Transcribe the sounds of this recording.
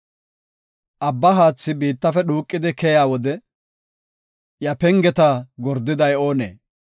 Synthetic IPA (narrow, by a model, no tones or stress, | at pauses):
ʔɐbːɐɦaːt͡sːɪbiːt̪ːɐfɛɗuːkʼːɪd̪ɪkɛjaːwɔd̪ɛ | jɐpɛŋɡɛt̪ɐɡɔɾd̪ːɪd̪ɐjo̞ːnḛː